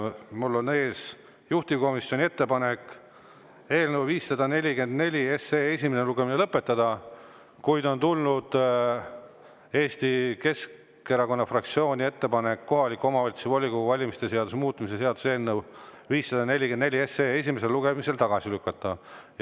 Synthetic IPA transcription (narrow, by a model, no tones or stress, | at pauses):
mulːo̞ne̞ːs | juht̪iko̞misjo̞nʲie̞t̪ːe̞pɑne̞k | e̞ːlnəwviːsːɑd̪ɑne̞lʲːike̞nd̪ne̞lʲie̞seesʲimeneluɡ̥e̞minelɤpːˑe̞t̪ːɑd̪̥ɑ | kujd̪o̞nt̪ulnud̪̥ | e̞ːst̪ike̞s | e̞ɾɑko̞nːɑfrɑkt̪sio̞ːnʲie̞t̪ːe̞pɑne̞kːo̞ɦɑlikːˑo̞mɑvɑlʲt̪sevolʲikoɡuvɑlʲimist̪e̞se̞ɑd̪usemuːt̪ːˑumis̬e̞se̞ɑd̪̥u̥se̞ːlnəw | viːsːɑd̪̥ɑne̞lʲikend̪nlʲie̞seːe̞s̬ʲimese̞lːuɡe̞mise̞lt̪ɑɡ̥ɑsilykːˑɑt̪ˑːɑ